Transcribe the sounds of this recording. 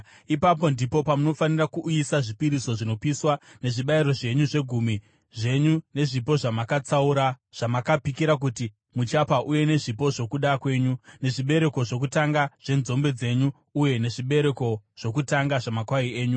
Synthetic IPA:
ipapo̞ndipo̞pamuno̞fanirakuʔːisaʐipiɾiso̞ʐino̞piswane̞ʐiɓaiɾo̞ʐe̞ɲuʐe̞ɡʱumi | ʐe̞ɲune̞ʐipo̞ʐamakat͡sauɾaʐ̥amakapikiɾak̬uti | mut͡ʃapaʔuje̞ne̞ʐipo̞ʐo̞kuɗakwe̞ːɲune̞ʐiɓe̞ɾe̞ko̞ʐo̞k̬utaŋɡaʐ̥e̞nzo̞mbe̞d͡ze̞ɲuː | je̞ne̞ʐiɓe̞ɾe̞ko̞ʐ̥o̞kutaŋɡaʐamakwaie̞ːɲu

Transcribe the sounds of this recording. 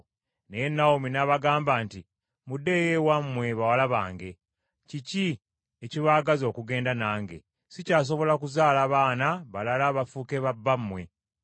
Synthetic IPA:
nejenːaominaːβaɡaːmbaːnti | mudːe̞jewamːwe̞βawalaβa̰ːŋɡe̞ | cici | eciβaːɡazo̞ːkuɡe̞ːndanaːŋɡe̞̰ | sicaːs̬o̞βo̞lakuzaːlaːβaːnaβalalaβafuke̞βabːamːwe̞

